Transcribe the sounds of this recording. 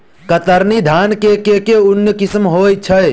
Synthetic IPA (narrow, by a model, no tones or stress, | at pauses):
kət̪əɾnid̪ʱankekekeunjəkismɦojt͡ʃʰəj